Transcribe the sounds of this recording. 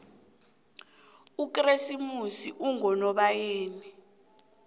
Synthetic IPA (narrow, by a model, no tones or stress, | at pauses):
uk̬ʼresimusiʔuŋɔnɔɓajeːni